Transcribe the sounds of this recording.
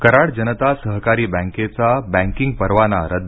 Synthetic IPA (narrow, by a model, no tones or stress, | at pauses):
kəɾaɽd͡ʑənət̪asəɦkaɾiːbæ̃ŋket͡sabæ̃ŋkiŋɡ̚pəɾʋanaɾəd̪